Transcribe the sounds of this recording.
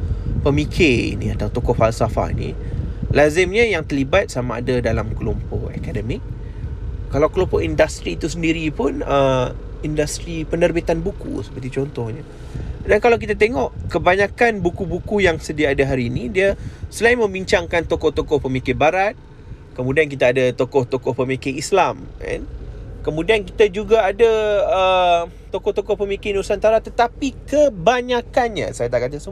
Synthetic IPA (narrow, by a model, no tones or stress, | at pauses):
pəmikʰɪrḭnḭ̃at̪awt̪okɔhfalsafa̰ḭnḭlazɪmɲajaŋt̪əlibat̪̚samaa̰dadalamkəlompɔhḛkadəmɪk̚ | kalawkəlompɔʔindast̪ɾiːt̪usəndiɾipʊnəm | indast̪ɾipənərbit̪anbukṵsə̥pərt̪it͡ʃɔnt̪ɔhɲa | dankalawk̬it̪at̪eŋɔʔkəbaɲakanbukubukujaŋsədiaːdaɦaɾiːnidiasəlaimə̃mbiɲt͡ʃaŋkant̪okɔht̪okɔhpəmikɪnbaɾat̪̚ | kəmũdiank̬it̪aːdat̪okɔht̪okɔhpəmikɪɾislama̰nkəmũdiankit̪ad͡ʒuɡaːdaə | t̪okɔht̪okɔhpəmikɪnusant̪aɾat̪ət̪apikəbaɲakanɲa̰sajat̪aʔkat̪̬asəm